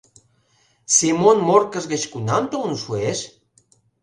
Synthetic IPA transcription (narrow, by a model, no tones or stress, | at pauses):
semonmorkə̆zɣət͡ɕkunɑnt̪əunuʃueʃ